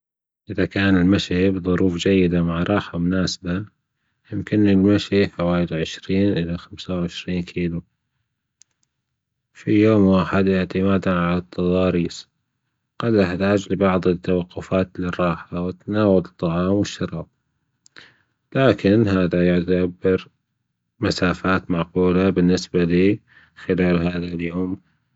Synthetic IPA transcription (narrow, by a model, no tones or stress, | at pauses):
ʔɪðakaːnɪlmaʃibðˤʊɾuːfd͡ʒajːɪd̪amaʕɾˤɑːħamʊnaːsɪba | jɪmkɪnɪlmaʃiħawaːjɪlʕɪʃɾiːnʔɪlaxamsawʕɪʃɾiːnkʰiːlu | fijoːmwaːħɪd̪ʔɪʕt̪ɪmaːd̪anʕalat̪ʰːɑðˤɑːɾiːs | qɑd̪ʔɪħt̪aːd͡ʒlɪbɑʕðˤɪt̪ːawɑqːʊfaːt̪lɪrˤːɑːħawɪt̪ːanaːwalt̪ˤːɑʕɑːmwɪʃːɑɾˤɑːb̥̚ | laːkɪnɦaːðajʊʕt̪abɪɾ | masaːfaːt̪maʕquːlabɪnːɪsbaliː | xɪlaːlɦaːðaljoːm